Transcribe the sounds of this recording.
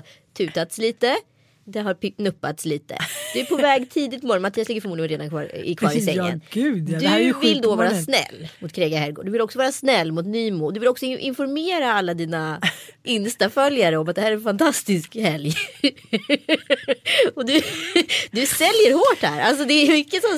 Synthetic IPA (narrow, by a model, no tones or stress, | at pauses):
t̪ʰʉ̟ːt̪at̪sliːt̪ə | d̪ɛɦaɾpnɵpːat̪sliːt̪ə̰d̪̥ɵæɾpʰɔvɛːɡt̪ʰiːd̪ɪt̪ːmɔɾɔnmat̪ʰiːaslɪɡəfœmuːd̪ɪɡənɾeːd̪ankʰvɑ̰ːɾɪ̰kʰvɑːɾɪsɛːə̰nd̪d̪ɵvɪld̪oːvɑːɾasnɛ̰lːmʊt̪kʰɾeːɡahɛɾɡo̰ːɖɵvɪlɔksɔvɑːɾasnɛlːmʊt̪nyːmuːd̪ɵvɪlɔksɔɪʔɪ̰nfɔɾmeːɾaalːad̪iːnaʔɪnst̪afœljaɾəɔmat̪̚d̪ɛhæːɾɛɾɛnfant̪ʰast̪ɪskhɛlj | ɔd̪ɵ | d̪ɵsɛljəɾhoːʈhæːɾals̬ɔd̪ɛːmʏkːəsɔm